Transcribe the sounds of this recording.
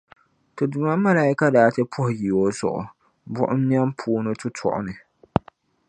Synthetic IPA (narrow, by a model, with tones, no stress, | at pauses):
tɨ˨dʊ˨ma˦ma˦laː˦i˦ka˦daː˨˦tɛ˦pʰʊ˦hʊ˨ji˨o˦sʊ̰˨ʔʊ̰˨ | bʊ̰˦ʔʊ˦m˦ɲ˦a˦mpʰuː˦nɨ˦tʊ˦tʰɔ̰˦˨ʔʊ̰˦nɨ˨